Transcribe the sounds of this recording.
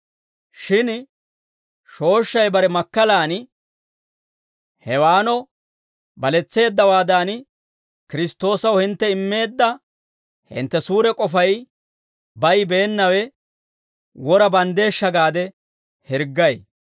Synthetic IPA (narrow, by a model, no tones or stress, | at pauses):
ʃɪn | ʃo̞ːʃːɐjbɐɾɛmɐkːɐlaːn | hɛwaːnɔ | bɐlɛt͡sːe̞ːd̪ːɐwaːd̪aːn | kɪɾɪst̪ːo̞ːsɐwhɪnt̪ːɛɪmːe̞ːd̪ːɐ | hɪ̰nt̪ːɛsuːɾɛkʼɔfɐj | bɐjbeːnːɐwɛ | wɔɾɐbɐnd̪e̞ːʃːɐɡaːd̪ɛ | hɪɾɡːɐj